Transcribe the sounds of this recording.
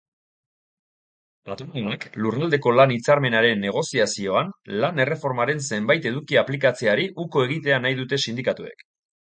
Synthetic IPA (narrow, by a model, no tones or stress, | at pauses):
pat̪onaaklurald̪e̞ko̞lanit͡saɾme̞naɾe̞nːe̞ɣ̞o̞siasio̞anlane̞re̞fo̞ɾmaɾe̞nse̞mbajt̪e̞ðukiaplikat͡seaɾiʔuko̞e̞ɣ̞it̪e̞anajðut̪e̞sind̪ikat̪ue̞̰k